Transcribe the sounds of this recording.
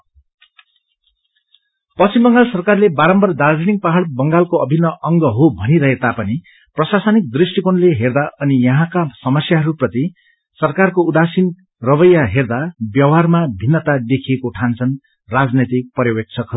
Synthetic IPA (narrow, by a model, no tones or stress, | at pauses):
pʌst͡simbʌŋɡalsʌrkarlebaɾʌmbʌrd̪ald͡ziniŋ̚paɦaɽbʌŋɡalkoʌbʱinːʌʔʌŋɡʌɦobʱʌniɾʌɦet̪apʌni | prʌsasʌnik̚d̪risʈikonleɦerd̪aʔʌnijʌɦãkasʌmʌsjaɦʌɾuprʌt̪i | sʌrkarkoud̪asin | rʌbʌjːaɦerd̪abjʌwɦarmabʱinːʌt̪ad̪ekʰiekoʈʰant͡sʰʌn | rad͡znet̪ik̚pʌɾjʌwek̚t͡sʰʌkɦʌɾu